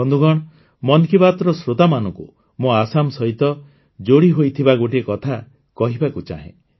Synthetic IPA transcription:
ɔnd̪uɡɔɽ̃ɔ | mɔnkibat̪ɾɔsɾot̪amanɔ̃ŋku | moasamsɔɦit̪ɔ | d͡ʒoɽiɦojt̪ʰibaɡoʈiekɔt̪ʰa | kɔɦibakut͡ʃa̰ɦḛ̃

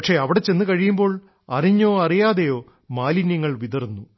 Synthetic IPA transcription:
ɐkʂe̞ɐʋiɽet͡ɕːe̞nːɨkɐɻijumbo̞ːɭ | ɐriɲːo̞ːɐrijaːðejo̞ː | maːlinjɐŋːɐɭʋiðɐrnːu

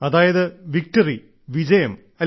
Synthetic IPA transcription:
ɐðaːjɐðɨʋik̚ʈɐri | ʋid͡ʑɐjɐm | ɐ

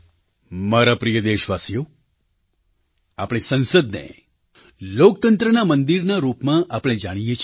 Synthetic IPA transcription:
maɾapɾijəd̪eʃʋasijo | apɽ̃esə̃nsəd̪nḛ | lok̚t̪ənt̪ɾənamənd̪iɾnaɾupmãʔapɽ̃ed͡ʒaɽ̃ijet͡ʃʰ

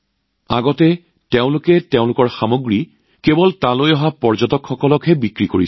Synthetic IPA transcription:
a̰ɡɔtɛ | teʊ̃lʊkɛteʊ̃lʊkɔɹxamoɡɹi | kebɔltãlojɔɦapɔɹzɔtɔkxɔkɔlɔkɦɛbikɹikoɹi

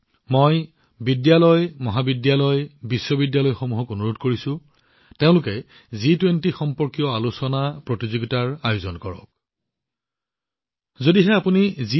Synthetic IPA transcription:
moj | bidjalɔjmɔɦabidjalɔjbisːɔbidjalɔjxomuɦɔkonuɹodkoɹisʊ̃ | teʊ̃lʊkɛ | zitwentixɔmpɔɹkijɔalusɔnapɹotizoɡitaɹajʊzɔnkɔɹɔ̰k̚ | zodiɦɛapunizi

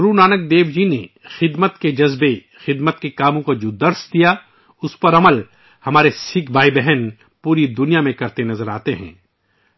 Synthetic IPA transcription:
ɾunaːnək̚d̪eːʋd͡ʒinexɪd̪mət̪ked͡ʒɐzbe | xɪd̪mət̪kekaːmõkod͡ʒod̪ɐɾsd̪ija | ʊspɐɾɐməl | hɐmaːɾesɪkbaːibɛɦɛn | puːɾid̪ʊnijamẽkɐɾt̪enɐzəɾaːt̪eɦɛ̰̃ː

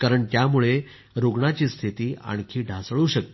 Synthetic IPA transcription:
kaɾəɳt̪jamuɭe | ɾoɡɳat͡ɕiːst̪ʰit̪iːa̰ɽ̃kʰiːɖʱasɭuːɕək̚t̪

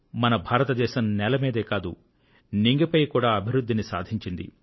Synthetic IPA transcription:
mɐnɐbʱaːɾɐt̪ɐd̪ɛːʃɐmnɛlɐmeːd̪eːkaːd̪ṵ | niŋɡipɐjkuːɽaːɐbʱiɾud̪ʱːinisa̰ːd̪ʱiɲt͡ʃind̪ḭ

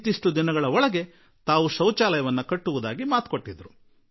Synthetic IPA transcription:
t̪iʂʈud̪inɐɡɐɭɐɔɭɐɡe̞ | t̪aːʋuʃɐwt͡ʃaːlɐjɐʋɐnːɐkɐʈːuʋud̪aːɡimaːt̪ko̞ʈːid̪ɾu

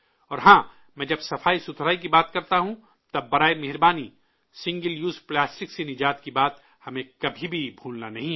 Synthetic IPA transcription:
ɔːɾɦãː | mɛ̃ːd͡ʒɐbsɐfaːisʊt̪ʰɾaːik̬ibaːt̪kɐɾt̪aɦũ | t̪ɐbːɐɾaːemeɦɪɾbaːni | sɪ̃ŋɡəljuːzplaːsʈɪksenɪd͡ʒaːt̪kibaːt̪ | hɐmẽkɐbʱibʱibʱuːlnanɐɦĩ

